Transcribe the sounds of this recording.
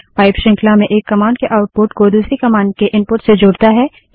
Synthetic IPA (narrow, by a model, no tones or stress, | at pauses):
ʋaːɪpʃɪ̃ŋkʰlamẽʔeːkːɐmaːɳɖkeʔaːʊʈ̚poːɾʈkod̪uːsɾikɐmaːɳɖ̚keʔɪ̃npʊɾʈsed͡ʒʊːɽt̪aɦɛː